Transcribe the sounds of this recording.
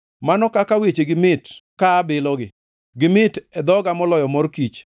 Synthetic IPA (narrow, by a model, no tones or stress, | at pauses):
manɔkakawet͡ʃeɡɪmɪtkaːbɪlɔɡɪ | ɡɪmɪtɛd̪ɔɡamɔlɔjɔmɔrkit͡ʃ